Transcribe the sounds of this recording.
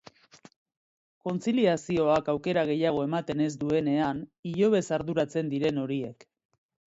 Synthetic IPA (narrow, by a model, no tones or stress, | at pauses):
ko̞nt͡siliasio̞akawke̞ɾaɣ̞e̞jaɣ̞o̞e̞mat̪e̞ne̞zd̪ue̞ne̞aniʎo̞βe̞saɾðuɾat͡se̞nd̪iɾe̞no̞ɾie̞k